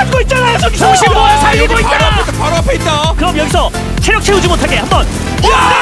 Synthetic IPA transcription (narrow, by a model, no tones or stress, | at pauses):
anɡoit̚t͡ɕ͈anasoɕʰiosʰaoɡoit͡ɕ͈aaotpʌɾʌpʰjeit̚t͈akɯɾʌmjʌɡisʰʌ | t͡ɕʰeɾjʌk̚t͡ɕʰe̞ud͡ʑimotʰaɡe̞hambʌn